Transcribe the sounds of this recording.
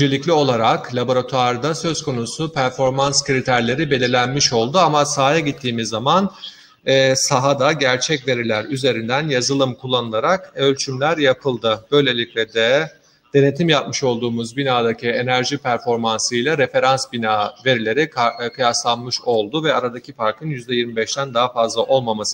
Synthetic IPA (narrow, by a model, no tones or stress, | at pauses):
d͡ʒe̞lʲiclʲio̞lˠaɾaklʲˠabo̞ɾat̪ʰuaɾd̪asø̞zko̞nusupʰæɾfo̞ɾmanskɯɾit̪ʰæɾlʲe̞ɾibe̞lʲiɾlʲænmiʃo̞lˠd̪uamasaːjaɟit̪ʰːiːmizːaman | ɛːsaɦad̪aɟæɾt͡ʃʰɛcve̞ɾilʲæɾyze̞ɾind̪ænjazɯlˠɯmkʰulˠːanɯlˠaɾakølʲt͡ʃʰymlʲæɾjapʰɯlˠd̪ɯb̥ø̞jlʲe̞lʲiclʲɛd̪ɛ | d̪̥e̞ne̞t̪ʰimjap̚mɯʃo̞lˠd̪uːmuzbinaːd̪acʰie̞næɾʒipʰæɾfo̞ɾmansɯjlʲˠaɾe̞fe̞ɾansbinaːve̞ɾilʲe̞ɾikʰɯjaslˠanmɯʃo̞lˠd̪uvɛaɾad̪acʰifaɾkʰɯnjyzd̪ɛjiɾmibɛʃt̪ʰænd̪aɦafazlˠaʔo̞lˠmamasɯ